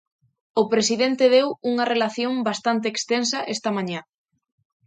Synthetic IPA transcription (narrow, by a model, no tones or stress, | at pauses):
ʊpɾesiðent̪eðewuŋɐrelaθjoŋbast̪ant̪̬eːkst̪ensɐʔest̪ɐmãɲa